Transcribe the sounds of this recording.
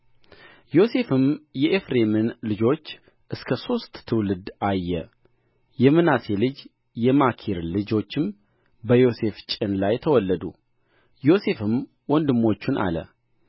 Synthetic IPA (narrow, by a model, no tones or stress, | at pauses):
jo̞se̞fɨmjɛʔefɾe̞mɨnlɨd͡ʒo̞t͡ʃː | ʔɨskʰəso̞st̪ʼt̪ʰːɨwlɨd̪ajːɛ | jɛmɨnase̞lɨd͡ʒ | jɛmakʰiɾlɨd͡ʒo̞t͡ʃːɨm | bəjo̞se̞ft͡ʃʼɪnlajt̪ʰəwɔlːəd̪ṵ | jo̞se̞fɨm | wɔnd̪ɨmːo̞t͡ʃːunʔa̰lə̰